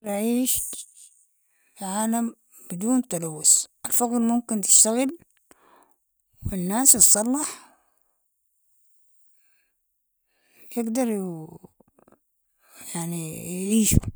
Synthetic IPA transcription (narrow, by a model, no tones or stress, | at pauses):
ɾɑʕiːʃ | fiʕaːlam | b̥ɪd̪uːnt̪ɑlawːʊsʔɪlfaɣɾmʊmkɪnt̪ɪ̥ʃt̪aɣɪl | wɪnːaːsɨsˤːɑlːɑħ | jjɪɡd̪ɑɾˤj | jaʕnijʕiːʃṵ